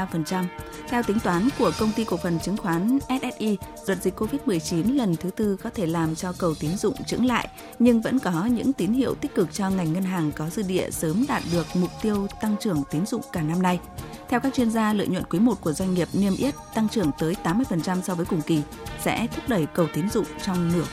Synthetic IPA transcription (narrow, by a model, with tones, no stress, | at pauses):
fə˨˩nt͡ɕa˧m | t̪ʰɛ˧wt̪ï˨˦ŋ̟t̪waː˨˦nku˧˩əkə˧wŋ͡mt̪i˧kək̚fə˨˩nt͡ɕɨ˨˦ŋxwaː˨˦nʔɛ˦˥t̚ʔɛ˦˥t̚ʔi˧ | zwə˨˩t̚zi˨˩k̚kːo˧vi˦˥t̚mɨ˨˩əjt͡ɕi˨˦nlə˨˩nt̪ʰɨ˨˦t̪ɨ˧kɔ˨˦t̪ʰe˧˩laː˨˩mt͡ɕɔ˧kə˨˩wt̪i˨˦nzʊ̰˧˨ŋ͡mt͡ɕɨ̰˧˥ŋla̰ː˧˨j | ɲɨ˧ŋvə̰˧˥nkɔ˨˦ɲɨ̰˧˥ŋt̪i˨˦nɦḭ˧˨əwt̪i˦˥k̟̚kɨ˨˩k̚t͡ɕɔ˧ŋa˨˩jŋ̟ŋə˧nɦaː˨˩ŋkɔ˨˦zɨ̰˧ɗḭ˧˨əsəː˨˦mɗaː˨˩t̚ɗɨ˨˩ək̚mʊ˨˩k͡p̚t̪i˧əwt̪a˧ŋt͡ɕɨ˧˩əŋt̪i˨˦nzʊ̰˧˨ŋ͡mkaː˧˩na˧mna˧j | t̪ʰɛ˧wkaː˦˥k̚t͡ɕwi˧ənzaː˧lə̰˧˨jɲwə̰˧˨nkwi˨˦mo˨˩t̚ku˧˩əzwa˧jŋ̟ŋi˨˩əp̚ni˧əmʔi˦˥ət̚t̪a˧ŋt͡ɕɨ˧˩əŋt̪əː˨˦jt̪aː˨˦mːɨ˧əjfə˨˩nt͡ɕa˧msɔ˧vəː˨˦jkʊ˨˩ŋ͡mki˧˩ | sɛ̰˧˥t̪ʰʊ˦˥k͡p̚ɗə˧˩jkə˨˩wt̪i˨˦ənzʊ̰˧˨ŋ͡mt͡ɕɔ˧wŋ͡mnɨ˧˩ə